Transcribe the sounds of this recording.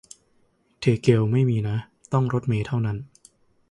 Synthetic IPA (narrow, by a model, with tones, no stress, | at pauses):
t̪ʰeː˨˩ke˧wma˥˩jmiː˧na˦˥ | t̪ɔ˥˩ŋɾo˦˥t̪̚meː˧t̪ʰa˥˩wna˦˥n